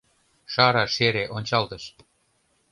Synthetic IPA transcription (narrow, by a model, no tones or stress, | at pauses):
ʃɑɾɑʃeɾeʔonʲt͡ɕɑlt̪əʃ